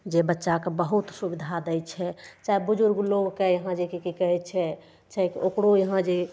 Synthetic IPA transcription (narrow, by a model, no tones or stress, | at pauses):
d͡ʒebətːʃakebəɦut̪subid̪ʱad̪əjt͡ʃʰɛt͡ʃaebud͡ʒuɾɡloɡkejəɦãd͡ʒekekikəɦɛt͡ʃʰɛ | t͡ʃɛkiokɽojəɦãd͡ʒe